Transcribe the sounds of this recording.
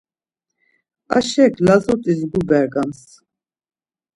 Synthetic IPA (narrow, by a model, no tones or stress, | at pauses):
a̰ʃɛkʰlazɔt̪ʼizɡubɛɾɡams